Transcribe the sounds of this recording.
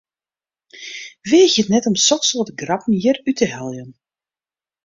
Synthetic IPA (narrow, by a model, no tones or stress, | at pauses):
ʋeːxjətnɛtɔmsɔksolːtəɡrɑpən̩jirytʰəɦɛlˠjən